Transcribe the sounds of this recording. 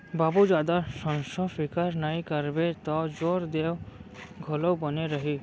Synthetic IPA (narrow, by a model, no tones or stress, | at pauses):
babud͡ʒaːd̪asɔnsɔfikaɾnaĩkəɾbet̪ɔd͡ʒoɾd̪ewɡʱɔlɔwbɔneɾəɦi